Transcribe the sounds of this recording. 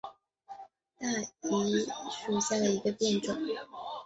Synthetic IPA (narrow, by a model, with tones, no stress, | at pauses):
t̪a˥˩i˧˥ʂu˨˩ɕja˥˩d̪ə˩i˧˥ɡə˧pjɛ˥˧nʈ͡ʂʊ˨˩˦ŋ